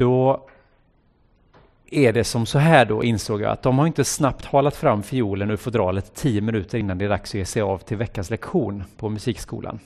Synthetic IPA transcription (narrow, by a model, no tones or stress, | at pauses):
d̪̥ɔ | ɛɖɛsɔmsɔɦæːɖɔ̰ʔɪnsoːɡjɑ̰ːa̰t̪̚d̪ɔmhaɾɪnt̪əsnapt̪hɑːlat̪fɾamːfɪjuːlənʉfɔd̪ɾɑːlət̪ʰːiːəmɪnʉ̟ːt̪ʰəɾɪnːand̪ɛːd̪aksɔjeːʂɛjɑːvt̪ʰɪlvɛkːanslɛkɧuːnpʰɔmɵsiːkskṵːlʔa̰n